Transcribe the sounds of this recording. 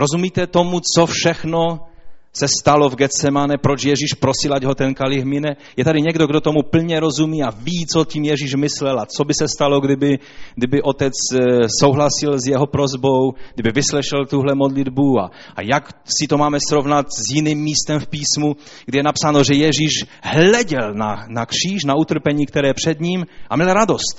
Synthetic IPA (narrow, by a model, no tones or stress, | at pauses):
ɾozumiːt̪ɛt̪o̞mut͡so̞fʃɛxnosɛst̪alo̞vɡɛt͡sɛmanɛpɾot͡ʃjɛʒiːʃpɾosɪlaɟɦot̪ɛnkalɪɣmɪnɛ | jɛt̪adɪɲɛɡdoɡdot̪o̞mupl̩ɲɛɾo̞zumiːaviːt͡socimjɛʒiːʃmɪslɛlat͡sobɪsɛst̪alo̞ɡdɪbɪ | ɡdɪbɪʔo̞t̪ɛt͡ssowɦlasɪlzjɛɦopɾo̞zbowɡ̥dɪbɪvɪslɛʃɛlt̪uɦlɛmodlɪd̪bua̰ | jaksɪt̪omaːmɛsɾo̞vnat̪zjɪniːmːiːst̪ɛmfpiːsmu | ɡdɪjɛnapsaːno̞ʒɛjɛʒiːʃɦlɛɟɛlnanakr̥iːʃnaut̪r̩pɛɲiːkt̪ɛɾɛːpr̝̥ɛd̪ɲiːmʔamɲɛlɾado̞st̪